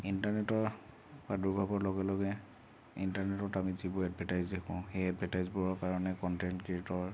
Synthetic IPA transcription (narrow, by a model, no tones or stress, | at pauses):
intaɹnɛtɔɹ | baduɹbʱabɔɹlɔɡɛlɔɡɛ | intaɹnɛtɔtamizibɔadvʱatajzdekʰɔ̰̃ʊ̃xejadvʱatajzbɔɹɔkaɹɔnɛkɔntɛntkitɔɹ